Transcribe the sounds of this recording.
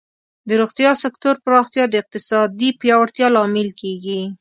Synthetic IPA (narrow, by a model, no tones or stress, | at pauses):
d̪əɾoɣt̪jɑsɪkt̪oɾpɾɑxt̪jɑd̪əɪq̚t̪ɪsɑd̪ipjɑwaɽt̪jɑlɑmɪlkeɡi